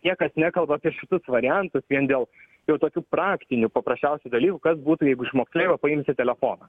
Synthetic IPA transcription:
nʲiɛkɐsnʲækɐlˠbɐɑpʲiɛʃʲɪt̪ʊsʋɐɾʲɪjɛnt̪ʊsʋʲiɛnd̪ʲeːlˠ | jɛʊt̪oːkʲuːpɾɑːkt̪ʲɪnʲʊpɐpɾɐsʲt͡ʃʲɛʊsʲud̪ɐlʲiːkʊkɐsbuːt̪ujɛɪɡʊɪʃmoːksʲlʲeːɪʋɐpɐɪmʲsʲɪt̪ʲɛlʲɛfoːnɐ

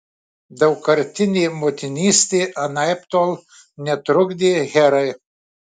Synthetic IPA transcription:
d̪ɐwkɐɾt̪ʲinʲimɔt̪ʲinʲist̪iʔɐnajpt̪ɔl | nʲɛt̪ɾuɡd̪ʲiɣɛɾɐj

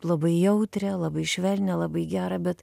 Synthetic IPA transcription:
lˠɐbɐɪjɛʊt̪ʲɾʲɛlˠɐbɐɪʃʲʋʲɛlʲnʲɛlˠɑbɐɪɡʲæːɾɐbʲɛt̪

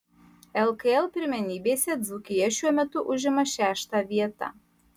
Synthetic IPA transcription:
ɛlˠkɐɛlˠpʲɪɾʲmʲɛnʲiːbʲeːsʲɛd̪zukʲɪjɛʃʲuɔmʲɛt̪ʊʔʊʒʲɪmɐʃʲæːʃt̪ɑːʋʲiɛt̪ɑ̰

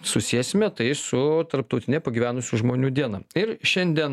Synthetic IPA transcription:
sʊsʲiːɛsʲɪmʲɛt̪ɐɪsʊt̪ɐɾp̚t̪ɐʊt̪ʲɪnʲɛpɐɡʲiːʋʲæːnʊsʲuʒmoːnʲuːd̪ʲiɛnɐɪɾʃʲɛnʲd̪ʲiɛn

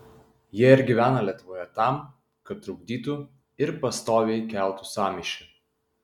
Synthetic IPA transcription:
jiɛɪɾɡʲiʋʲæːnɐlʲiɛt̪ʊʋoːjɛt̪ɑˑm | kɐt̪̚t̪ɾɐʊɡ̚d̪ʲiːt̪u | ɪɾpɐst̪oːʋʲeɪkʲæˑlˠt̪usɑːmʲɪʃʲʊ

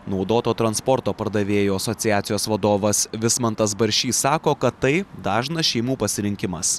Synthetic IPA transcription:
nɒʊd̪oːt̪oːt̪ɾɐnspɔɾt̪oːpɐɾd̪ɐʋʲeːjoːɐsɔt̪sʲɪjæːt̪sʲɪjoːsʋɐd̪oːʋɐsʋʲɪsmɐnt̪ɐsbɐɾʲʃʲiːsɑːkoːkɐt̪ːɐɪd̪ɑːʒnɐʃʲɛɪmuːpɐsʲɪɾʲɪŋʲkʲɪmɐs

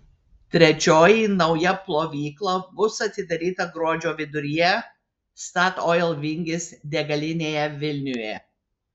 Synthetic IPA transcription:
t̪ʲɾʲɛt͡ʃʲoːjinɐʊjɛplˠoːʋʲiːklˠɐbʊsɐt̪ʲɪd̪ɐɾʲiːt̪ɐɡɾuɔd͡ʒʲoːʋʲɪd̪ʊɾʲɪjɛ | st̪ɑt̪ɔjɛlˠʋʲɪŋʲɡʲɪsd̪ʲɛɡɐlʲɪnʲeːjɛʋʲɪlʲnʲʊjɛ̰

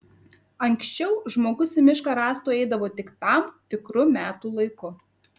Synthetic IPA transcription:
ɐŋʲksʲt͡ʃʲɛʊʒmoːɡʊsʲɛmʲɪʃkɑɾɑːst̪uːɛɪd̪ɐʋoːt̪ʲɪkt̪ɑˑmt̪ʲɪkɾʊmʲæːt̪uːlˠɐɪkʊ

